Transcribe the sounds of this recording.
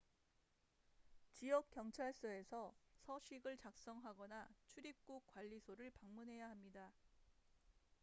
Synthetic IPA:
t͡ɕiʌk̚k͈jʌŋt͡ɕʰaɭs͈ʌe̞sʰʌsʰʌɕʰiɡɯɭt͡ɕak̚s͈ʌŋɦaɡʌnat͡ɕʰuɾip̚k͈uk̚k͈waʎːisʰoɾɯɭpaŋmunɦe̞jaɦamɲida

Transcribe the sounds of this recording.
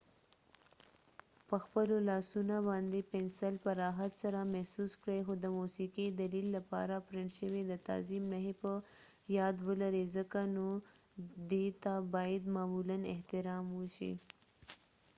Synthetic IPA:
pəxpəlolɑsunobɑnd̪epɛnsəlpəɾɑɦat̪saɾamɛhsuskɽejxod̪əmusiqid̪alilːapɑ̰ɾapɾɪɳʈʃəwed̪ət̪ɑ̰zimnaɦepə | jɑd̪wəlaɾezəkano | d̪et̪abɑjad̪mɑmulanɪ̰ht̪ɪɾɑmwəʃḭ

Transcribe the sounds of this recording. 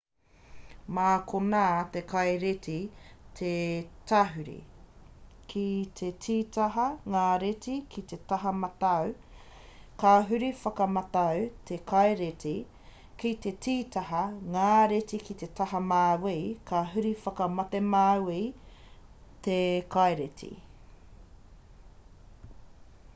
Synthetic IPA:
maːkʰonat̪ekʰɐjɾet̪it̪ʰet̪aɦʉɾḭ | kʰit̪ʰetʰiːt̪ɐɦɐŋaːɾetikʰit̪et̪ɐɦɐmɐt̪ɐw | kaɦʉɾifɐkɐmɐt̪ɐwt̪ʰekʰɐjɾetʰi | kit̪e̞tiːt̪ɐɦɐŋaːɾetikit̪et̪ɐhɐmaːwejkʰaɦʉɾifɐkɐmɐt̪emaːwej | t̪ekʰajɾet̪ʰḭ

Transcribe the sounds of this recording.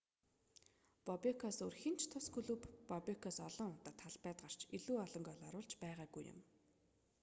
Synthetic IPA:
pɔpʲekʰɔːsɵrxint͡ɕʰt̪ʰʊskʰɵɮupːɔpʲekʰɔːsɔɮɞ̆ŋʊt̪ɔːt̪ʰːaɮpæːt̪ɢar̥t͡ɕiɮuːɔɮɞ̆ŋɡʲɔːɮɔɾʊːɮt͡ɕpæːʁaːɡujʊ̰m

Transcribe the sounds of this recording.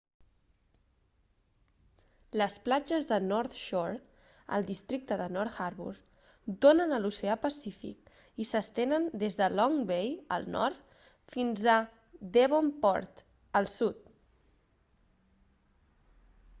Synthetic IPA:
ləsplad͡ʒəzðənɔɾt̪ʃɔɾ | ə̰lˠd̪ist̪ɾik̚t̪əðənɔɾt̪xaɾβṵɾ | d̪onənəlusəapəsifḭk | isəst̪enənd̪ezðəlɔŋbejə̰lˠnɔ̰ɾt̪ | finzə | d̪eβompɔ̰ɾt̪ | əlˠsut̪̚

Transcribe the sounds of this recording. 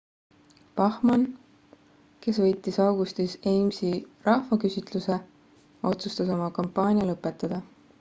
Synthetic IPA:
pɑhmɑn | ke̞svɤ̞jt̪ːˑisɑwɡ̥ust̪iseːmsirɑhvɑkysʲit̪ˑluse̞ | o̞t̪sust̪ɑs̬o̞mɑkɑmpˑːɑːnʲijɑlɤpːˑe̞t̪ːˑɑd̪̥ɑ

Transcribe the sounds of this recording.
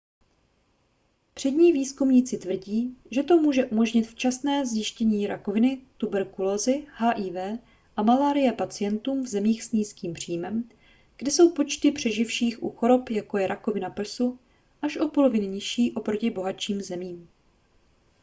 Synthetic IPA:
pr̝̥ɛd̪ɲiːviːskumɲit͡sɪt̪vr̩ɟiːʒɛt̪o̞muːʒɛʔumo̞ʒɲɪt̪ft͡ʃasnɛːzjɪʃcɛɲiːɾako̞vɪnɪt̪ubɛɾkuloːzɪhaːʔiːvɛː | ʔamalaːɾɪjɛpat͡sɪjɛnt̪uːmvzɛmiːxsɲiːskiːmpr̝̥iːmɛm | ɡ̥dɛso̞wpo̞t͡ʃt̪ɪpr̝̥ɛʒɪfʃiːxʔuxo̞ɾo̞pjako̞jɛɾʔako̞vɪnapr̩su | ʔaʃʔo̞po̞lo̞vɪnɪɲɪʃiːʔo̞pɾo̞cɪbo̞ɦat͡ʃiːmzɛmiːm

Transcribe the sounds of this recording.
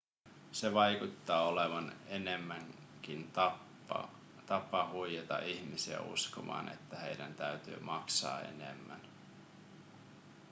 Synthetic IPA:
se̞ʋɑjkut̪ːɑːoleʋɑnenemːæŋ | kinɑ̰ | t̪ɑpɑhujet̪ɑ̰ʔiçmisiæ̰ṵskomɑ̰ːne̞̰t̪ːæhe̞jdænt̪æyt̪y̰ːmʔɑksɑ̰ːe̞̰nḛmːæn

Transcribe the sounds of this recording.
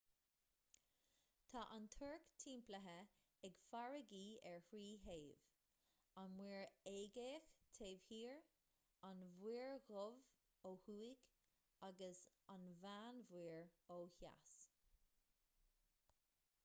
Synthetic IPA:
t̪ʰɑːʔant̪ʰɜɹkt̪ʰiːmpləɦə | ɛɡfaɹəɡiːɛɹhɹiːɦeːv | anmwiːɹeːɡeːxt̪ʰeːv̥hiːɹ | anvwiːɹɣʊv | oːhuːɪɡ | aɡəs | anvaːnvwiːɹoːha̰s

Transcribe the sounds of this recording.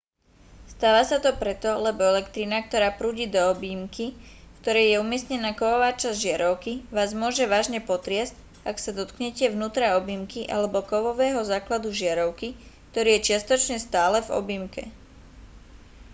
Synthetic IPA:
st̪aːʋasat̪ɔpɾɛt̪ɔlɛbɔɛlɛkt̪ɾinak̚t̪ɔɾaːpɾuːɟiːd̪ɔɔbimkikt̪ɔɾɛjjɛumɪɛsɲɛnaːkɔʋɔʋaːt͡ʃazdʒɪaɾɔʊkiʋaːzmʊɔʒɛʋaːʒɲɛpɔt̪ɾɪɛsc | aksad̪ɔt̪kɲɛcɛʋnuːt̪ɾaɔbimkiʔa̰lɛbɔkɔʋɔʋɛːɦɔzaːklad̪uʒɪaɾɔʊkik̚t̪ɔɾiːjɛt͡ʃɪast̪ɔt͡ʃɲɛst̪aːlɛvɔ̰bimkɛ̰

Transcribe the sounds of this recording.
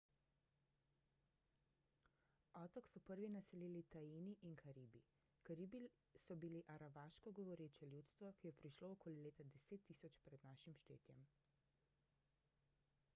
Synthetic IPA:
ɔt̪ɔksɔpəɾʋinasɛleːlit̪ajiːniʔinkʰaɾiːbi | kaɾibi | sɔbiliʔaɾabaʃkɔɡɔʋɔɾeːt͡ʃɛljut̪st̪ʋɔkijɛpɾiʃloɔkoːlileːt̪ad̪ɛseːt̪ːiːsɔt͡ʃpɾɛd̪naːʃimʃt̪ḛːt̪jɛ̰m

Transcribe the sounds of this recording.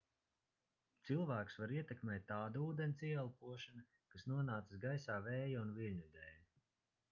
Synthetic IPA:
t̪sɨlˠvæːksvaɾiɛt̪ɛkmʲɛːt̪ʲːaːd̪auːd̪enʲt̪siɛlˠpuɔʃana | kasnuɔnaːt̪sasɡajsaːvɛːjaunvilʲɲuid̪ɛːj

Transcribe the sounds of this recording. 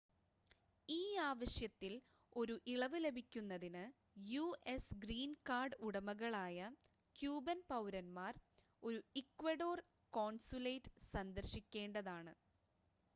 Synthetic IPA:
iːaːʋɐɕjɐt̪ːil | o̞ɾuʔiɭɐʋɨle̞bʱikʲːunːɐðinɨ | juːʔesɡriːnkaːrɖuɽɐmɐɣɐɭaːjɐ | kjuːbɐnpɐwɾɐnmaːr | o̞ɾuikːʋɐɖo̞ːr | koːnsuleːʈːɨ̥sɐnd̪ɐrɕikʲːe̞ːɳɖɐðaːɳɨ

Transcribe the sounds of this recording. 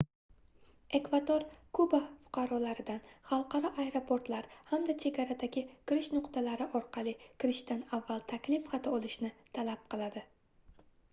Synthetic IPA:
e̞kvad̪oɾkʰʊbafʊ̥qʰɑɾɒlaɾɪd̪anχɑlˠqʰɑɾɒʔajeɾo̞pʰo̞ɾt̪laɾhamd̪at͡ʃʰe̞ɡʲaɾad̪aɡʲɪkʲɪɾɪʃnʊqt̪ʰalaɾɪʔɒɾqʰɑlˠɪkʲʰɪɾɪʃd̪anavːalˠt̪ʰakʲlɪfχat̪ʰaɒlˠɪʃnɪt̪ʰalap̚qɨlˠad̪ɪ

